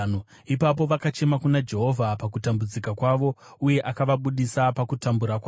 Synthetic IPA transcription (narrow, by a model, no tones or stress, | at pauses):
ipap̬o̞ʋakat͡ʃe̞makunad͡ʒe̞ɦo̞vʱapakutambud͡zikakwaʋo̞uje̞ʔakaʋaɓuɗisapakutambuɾakwa